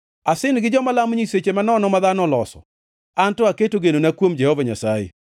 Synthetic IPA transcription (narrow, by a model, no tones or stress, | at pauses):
asɪnɡɪd͡ʒɔmalamɲiset͡ʃemanɔnɔmaðanɔlɔsɔ̰ | antɔaketoɡenonakwomd͡ʒɛhɔvaɲa̰sajḛ